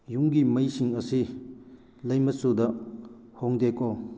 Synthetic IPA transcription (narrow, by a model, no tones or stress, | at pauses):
juŋɡimɐjsiŋɐsi | lɐjmɐsudɐ | hoŋdeko